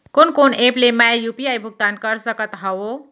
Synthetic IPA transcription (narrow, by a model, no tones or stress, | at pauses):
konkoneplemajupiajbʱʊɡ̚t̪ankəɾsəkət̪ɦəo